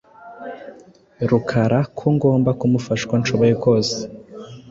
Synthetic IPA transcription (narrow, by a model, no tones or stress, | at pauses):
ɾukʰaɾakʰuŋɡo̞ːmbakumufaʃkwant͡ʃoβojekoːse̥